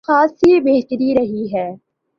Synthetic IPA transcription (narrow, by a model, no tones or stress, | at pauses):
aːsibeːt̪ɾiɾɐɦiɦɛː